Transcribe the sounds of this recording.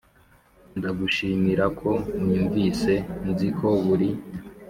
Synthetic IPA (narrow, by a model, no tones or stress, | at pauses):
ndaɡuʃimiɾakʰo̞uɲuːɱvise̞nuzikʰoβuɾi